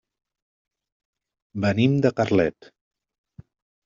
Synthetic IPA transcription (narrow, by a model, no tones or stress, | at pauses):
bənimd̪əkarlɛt̪